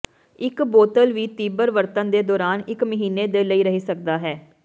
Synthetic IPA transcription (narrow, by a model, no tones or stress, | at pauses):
ɪkboːt̪əlʋiːt̪iːbəɾʋəɾt̪ənd̪eːd̪ɔːɾaːnɪkməɦiːneːd̪eːləiːɾəɦiːsəkd̪aːɦɛː